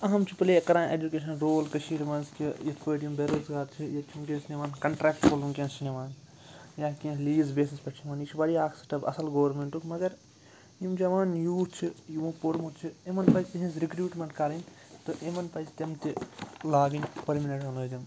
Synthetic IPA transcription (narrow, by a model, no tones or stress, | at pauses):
ɐɦɐmt͡ʃʰipɐlekɐɾãːnʔḛːd͡ʒukʲeːʃɐnɾoːlkɐʃiːʈmɐnskijit̪ʰpəʈjimbeɾoːzɡaːɾt͡ʃʰijɐt̪t͡ʃʰumkʲẽnsneʋaːnkɐɳʈɾeːkʈpolumkʲẽnst͡ʃineʋaːn | jaːkẽliːzbeːsispɐʈʰimɐːnit͡ʃʰibɐɽiaːkʰsɐ̥ʈɐbɐ̰sɐlɡoːɾmeɳʈukmɐɡɐɾ | jimd͡ʒɐʋaːnjuːt͡ʃʰijuʋõpoɾmut̪t͡ʃʰiemɐnpɐt͡ʃt̪ɐɦĩsɾikɾjuːʈmɐɳʈkɐɾɐnʲ | t̪ɨʔemɐnpɐst̪ɐmt̪ilaːɡinʲpɐɾmineʈɐloːd̪im